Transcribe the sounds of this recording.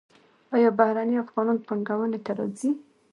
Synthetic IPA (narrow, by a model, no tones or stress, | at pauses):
ɑjɑbahɾaniafɣɑnɑnpaŋɡawənet̪aɾɑ̰d͡zi